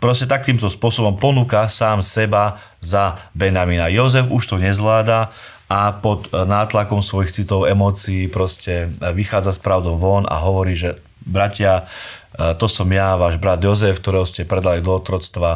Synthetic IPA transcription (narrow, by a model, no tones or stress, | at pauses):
pɾɔscɛt̪akiːmt̪ɔspʊɔsɔbɔmpɔnuːkasaːmsɛba | zabɛnaminajɔzɛfuʃt̪ɔɲɛzʋlaːd̪a | apɔd̪naːt̪lakɔmsʋɔjixt͡sit̪ɔʊɛmɔːt͡siːpɾɔscɛʋixaːd͡zaspɾaʊd̪ɔʊʋɔna̰ɦɔʋɔɾiːʒɛ | bɾacɪa | t̪ɔsɔmjaʋaːʒbɾad̪jɔzɛfk̚t̪ɔɾɛːɦɔscɛpɾɛd̪alid̪ɔɔt̪ɾɔst̪ʋa